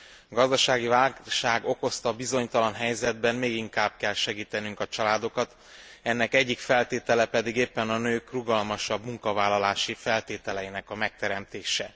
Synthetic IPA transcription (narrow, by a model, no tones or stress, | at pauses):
ɡɒzd̪ɒʃaːɡivaːlʃaːɡoko̞st̪ɒbizo̞ɲt̪ɒlɒnɦɛjzɛd̪̚bɛnmeːɡiŋkaːb̥̚kɛlʃɛɡiːt̪ɛnyŋkɒt͡ʃɒlaːd̪o̞kɒt̪ | ɛnːɛkɛɟːikfɛlt̪eːt̪ɛlɛpɛd̪iɡeːpːɛnɒnøːkruɡɒlmɒʃɒbmuŋkɒvaːlːɒlaːʃifɛlt̪eːt̪ɛlɛjinɛkɒmɛk̚t̪ɛɾɛmt̪eːʃɛ